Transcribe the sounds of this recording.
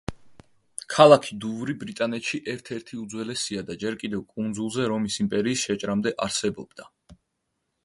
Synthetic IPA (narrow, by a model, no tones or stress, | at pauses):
kʰalˠakʰid̪uvɾibɾit̪ʼanɛt̪ʃiʔɛɾt̪ʰɛɾt̪ʰiud̪zwɛlɛsiad̪ad͡ʒɛɾkʼid̪ɛvkʼund̪zulˠzɛɾɔmisimpʼɛɾiːsʃɛt͡ʃʼɾamd̪ɛʔaɾsɛbɔb̥̚d̪a